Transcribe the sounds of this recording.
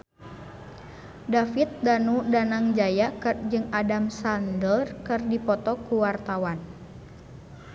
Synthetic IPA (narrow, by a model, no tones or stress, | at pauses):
dafit̪̚danudanaŋd͡ʒajakɨrd͡ʒɨŋadamsandərkɨrdipɔt̪ɔkuwart̪awan